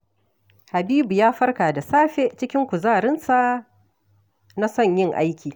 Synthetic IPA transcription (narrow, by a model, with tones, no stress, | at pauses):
ha˨biː˦bu˨jaː˦ɸɐ˦rkaː˨da˨saː˦ɸe˦t͡ʃɪ˦kʲɪ˦ŋkʷʊ˨zaː˦˨ɾɪ˦nsa˦ʔ | na˦sɔ˦˨ɲjɪ˦˨ŋʔa̰˦jkʲiː˨